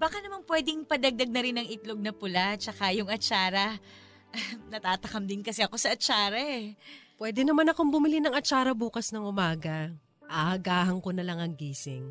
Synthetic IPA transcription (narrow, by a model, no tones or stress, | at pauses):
baːkɐnɐmanpwɛd̪ɪŋpɐd̪ɐɡ̚d̪ɐɡ̚nɐɾɪnɐŋɪt̪loɡ̚nɐpʊlat͡ʃɐkajʊŋɐt͡ʃaːɾɐ | nɐt̪aːt̪ɐkɐmd̪ɪnkɐsɛɐko̞sɐʔɐt͡ʃaːɾɐʔɛpwɛːd̪ɛnɐmanɐkoŋbʊmɪlinɐŋɐt͡ʃaːɾɐbuːkɐsnɐŋʔʊmaːɡɐ | ʔɐhɐɡaːhɐŋko̞nɐlɐŋɐŋɡiːsɪŋ